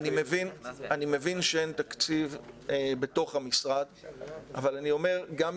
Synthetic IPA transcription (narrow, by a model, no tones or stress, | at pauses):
nimevinanime̞vinʃee̞nt̪akt͡sivebe̞t̪o̞χhamisʁad̪avalanio̞me̞ʁɡam